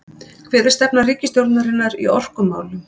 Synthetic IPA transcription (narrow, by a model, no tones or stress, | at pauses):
kʰvɛːðɪ̥st̪ɛpnariːcɪst̪jowɾt̪naɾɪnːaɾḭɔr̥kʏmːa̰ːwlʏm